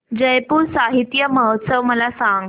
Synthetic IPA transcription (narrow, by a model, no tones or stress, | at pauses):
d͡ʑəjpuːɾsaɦit̪jəməɦət̪səʋməlasãŋɡ